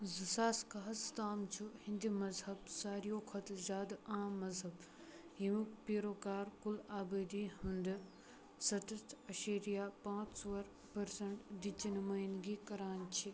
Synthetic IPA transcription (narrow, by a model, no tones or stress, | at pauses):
zusaːskaɦɐst̪aːmt͡ʃʰuhĩnd̪imɐzɦɐbsaːɾijoːkʰɐt̪zaːd̪aːmːɐzɦɐb | ɦiʋukpiːɾoːkaːɾkulaːbɐd̪iɦũnd̪ɨ | sɐt̪ɐst̪ɐʃeːɾijaːpãːt͡ʃʰsoʋɐɾ | pɐɾsɐɳʈd̪it͡ʃinmaːjnɡikɐɾaːnt͡ʃʰi